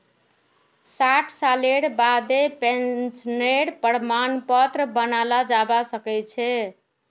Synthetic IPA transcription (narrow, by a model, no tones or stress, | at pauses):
saʈʰsaleɽbad̪epensneɽpəɽmanpət̪ɾəbənalad͡ʒabasəkɛt͡ʃʰɛ